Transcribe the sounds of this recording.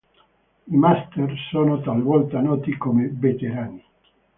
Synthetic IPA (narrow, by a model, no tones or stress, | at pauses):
imast̪ersoːnot̪alvɔlt̪anɔːt̪ikomevet̪eɾaːni